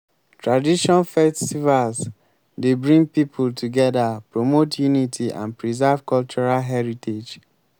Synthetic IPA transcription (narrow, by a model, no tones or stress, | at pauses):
tɹadiʃɔ̃nfɛstivals | debɹĩŋɡ̚pipʰultʰuɡɛdapɹomotʰjunitʰiʔã̰npɹizɛvkɔlt͡ʃuɹalɦɛɹited͡ʒ